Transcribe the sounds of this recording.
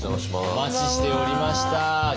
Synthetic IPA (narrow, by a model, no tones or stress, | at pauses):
mat͡ɕiɕi̥t̪e̞oɾʲimaɕi̥t̪a